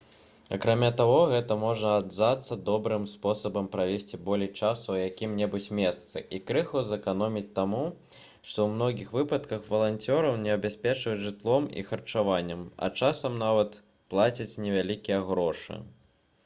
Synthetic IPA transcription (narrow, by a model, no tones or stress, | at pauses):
ɐ̰kɾamʲat̪aɣɔɣɛt̪ɐmɔʐnɐːd̪zat̪sːɐd̪ɔbɾɨmspɔsɐbɐmpɾavʲesʲt͡sʲibɔlʲɛjt͡ʂasuwjakʲimnʲɛbut͡sʲmʲɛst̪sɨʔikɾɛxuzɐkanɔmʲit͡sʲt̪amu | ʂt̪ɔwmn̪ɔɣʲixvɨpɐt̪kɐxvɐlˠanʲt͡sʲɔɾɐwnʲɛɐbʲasʲpʲɛt͡ʂvɐt͡sʲʐɨt̪lˠɔmḭxɐrt͡ʂavanʲːɐmɐ̰t͡ʂasɐmnavɐt̪ | plˠat͡sʲit͡sʲnʲɛvʲalʲikʲijɛɣɾɔʂɨ̰